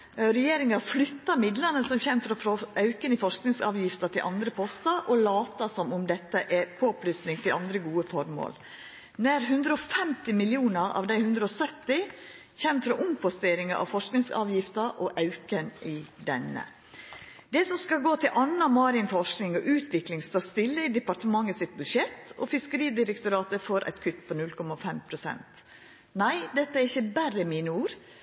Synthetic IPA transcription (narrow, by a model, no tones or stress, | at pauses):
ɾɛjeːɾɪŋɑɾflʏt̪ːɑɾmɪd̪lənəsɔmçɛmfɾɔfɾɔɑʉkənɪfɔʂknɪŋsɑ̰ːʋjɪft̪ɑt̪ʰɪlʔɑ̰nd̪ɾəpʰɔst̪ɑɾʔɔlɑːt̪ɑsɔmʊmd̪ɛt̪ːəʔɛɾpʰoːplysnɪŋt̪ʰɪlʔɑnd̪ɾəɡuːəfɔɾmo̰ːl | næɾɦʉnd̪ɾəɔfɛmt̪ɪmɪlɪuːnɑɾɑ̰ːʋd̪æɪhʉnd̪ɾəɔsœt̪ːɪ | çɛnt̪fɾɔʔʊmpʰɔst̪eːɾɪŋɑ̰ʔɑ̰ʋfɔʂknɪŋsɑ̰ːʋjɪft̪əʔɔʔɑʉkənʔɪd̪ɛnːə̰ | d̪ɛsɔmskɑlɡoːt̪ʰɪlʔɑnːɑmɑɾɪnfɔʂknɪŋɔ̰ʔʉːt̪ʰʋɪklɪŋst̪oːɾst̪ɪlːəɪd̪ɛpɑɾʈ̪əmɑŋːəsɪt̪̚bʉd̪ʂɛt̪ːɔ̰fɪskəɾiːd̪ɪɾəkt̪ʊɾɑːt̪əfɔɾʔæ̰ɪt̪kʰʏt̪ːpʰɔnʉlkʰɔmɑfɛmpʰɾʊsɛ̰nt̪ | næɪd̪ɛt̪ːəæɾɪçːəbærəmiːnəuːɾ